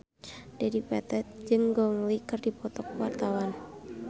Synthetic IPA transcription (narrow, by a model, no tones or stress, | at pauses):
dɛdipɛt̪ɛt̪̚d͡ʒɨŋɡɔŋlikɨrdipɔt̪ɔkwart̪awan